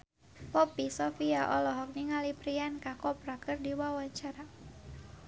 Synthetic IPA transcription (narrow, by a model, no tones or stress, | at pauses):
pɔpisɔfiaʔɔlɔɦɔk̚niŋalipɾiankakɔpɾakərdiwawat͡ʃaɾa